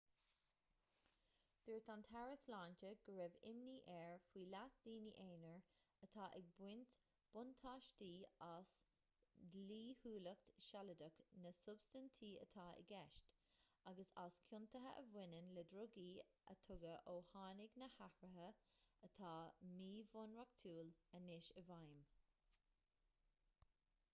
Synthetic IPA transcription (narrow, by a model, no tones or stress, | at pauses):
d̪̥ʊɹt̪ant̪ʰaɹəslaːnt͡ʃəɡ̥əɹɛvɪ̰mniːʔɛɹfwiːlasd̥iːniʔeːnəɹət̪ʰaːʔɪɡ̚bwɪnt̪ | b̥ʊnt̪ʰaːʃtiːas | dliːhuːləktʃalədəknəsʊbstənt̪ʰiːə̰t̪ʰaːɪ̰ɡɛʃtaɡəsaskʰʊnt̪əɦə̰ʔəvɪnənləd̪ɾʊɡiː | ə̰t̪ʰʊɡəʔoːhaːnɪɡnəhahɹəɦəət̪ʰaːmiːvʊnɹak̚t̪ʰuːlənɪʃəvajm